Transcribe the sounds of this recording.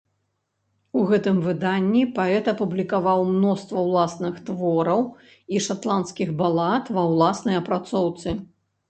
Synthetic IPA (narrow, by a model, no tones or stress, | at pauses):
uɣɛt̪ɨmvɨd̪anʲːipaɛt̪ɐpublʲikavawmnɔst̪vɐwlˠasnɨxt̪vɔɾɐw | iʂat̪lˠanskʲiɣbalˠat̪vɐwlˠasnɐjɐpɾat̪sɔwt̪sɨ